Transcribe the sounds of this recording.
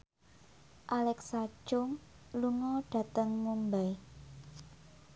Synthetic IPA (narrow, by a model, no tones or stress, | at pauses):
ʔalɛksḁʒ̥ʊŋ | luŋɔɖ̥ä̤t̪əŋːumbɛj